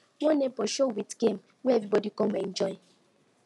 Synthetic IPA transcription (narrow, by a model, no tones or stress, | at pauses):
wonepɔʃowitɡ̥ẽm | weevɾibɔdikomend͡ʒɔɪ